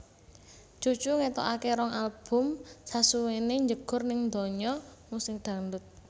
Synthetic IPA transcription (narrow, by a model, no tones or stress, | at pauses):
dʒ̥o̤d̥ʒ̥uŋet̪ɔ̰ʔakeɾɔŋʔalb̥ʊ̤msasuweneɲd͡ʒəɡ̥ʊ̤rnɪŋnd̪ɔ̤ɲɔmusɪŋd̪̥a̤nd̪ʊt̪̚